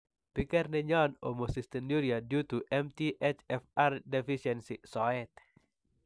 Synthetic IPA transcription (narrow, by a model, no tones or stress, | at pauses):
pikɛrnɛɲano̰mosist̪ɛnduɾiadjut̪uʔɛmt̪iʔɛt͡ʃɛfardɛfisɛnsisɔɛt̪̚